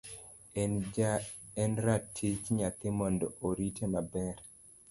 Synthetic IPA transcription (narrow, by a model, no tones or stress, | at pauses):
ɛnɾatʰːit͡ʃɲat̪ɪmɔndɔʔoɾitenabɛɾ